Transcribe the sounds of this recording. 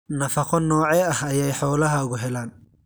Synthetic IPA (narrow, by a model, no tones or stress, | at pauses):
nɐfɐqʰɔnɔːʕɛɐhɐjɛjħɔːlɐɦɐɣʊɦɛlaːn